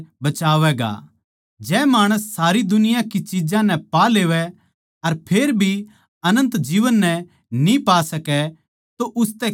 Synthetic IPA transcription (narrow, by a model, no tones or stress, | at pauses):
bɐt͡ʃaːʋɛɡa̰ | d͡ʒɛːmaːɽ̃əsːaːɾid̪ʊnɪjãkit͡ʃid͡ʒãnɛ̃paleːʋɛ | ɐɾpʰeːɾbʱi | ɐnə̃nt̪d͡ʒiːʋənːɛ | nĩpaːsɐkɛ | t̪oʔʊst̪ɛ